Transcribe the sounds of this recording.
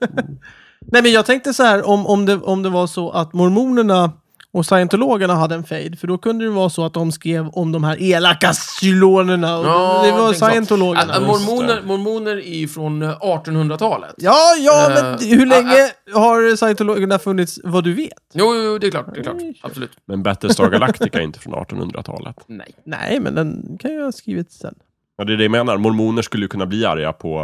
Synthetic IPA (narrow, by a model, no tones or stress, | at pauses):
nɛjmɛnjɑːɡ̚t̪ʰɛŋk̚t̪əsɔhæːɾɔmɔmd̪ɛʔɔmd̪ɛvasɔʔat̪mɔɾmuːnəɳa | ɔsajɛnt̪ʊloːɡəɳaɦad̪ːəɛnfɛjd̪fœɖɔkɵnd̪əd̪ɛvɑːsɔat̪̚d̪ɔmskɾeːvɔmd̪ɔmhæːɾʔeːlakːasʏloːnəɳaɔd̪ɛvasajɛnt̪ʊloːɡɳamɔɾmuːnəmɔɾmuːnəɾɪfɾɔnɑːʈɔnhɵnd̪ɾat̪ʰɑːlə̰t̪jɑːjɑːmɛnhɵɭɛŋːəhaɾsajɛnt̪ʊloːɡəɳafɵnːɪt̪svad̪ɵveːt̪juːuːd̪ɛkʰlɑːʈ̪ɛklɑ̰ːasɔlʉːt̪mɛnbɛt̪ːɾəsɑɡalakt̪ɪkaɛɾɪ̰nt̪ə̥fɾɔ̰nɑ̰ːʈɔnhɵ̰d̪ɾa̰t̪ʰɑ̰ːlə̰t̪nɛ̰jnɛ̰jmɛ̰nd̪ɛnkʰanjəhɑskɾḭːvɪt̪sɛ̰nː | jɑːd̪ɛɖ̪ɛjameːnaɾmɔɾmuːnəʂkɵlːəjəkɵnːabliːa̰ɾja̰pʰɔ